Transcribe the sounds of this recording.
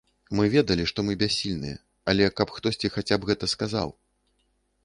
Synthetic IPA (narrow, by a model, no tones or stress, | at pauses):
mɨvʲɛd̪ɐlʲiʂt̪ɔmɨbʲasʲːilʲnɨ̰jɛ̰ | ɐlʲɛkɐpxt̪ɔsʲt͡sʲixat͡sʲabɣɛt̪ɐskaza̰w